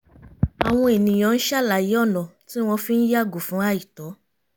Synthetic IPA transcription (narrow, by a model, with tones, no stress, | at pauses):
a˨w̃ɔ̃˧e˨nĩ˨j̃ɔ̃˨˧n̩˦ʃa˦˨la˨ji˨˦ɔ˦˨nɔ̃˨ti˦w̃ɔ̃˧fi˦n̩˦ja˦˨ɡu˨fũ˨˦a˦˨i˨tɔ˨˦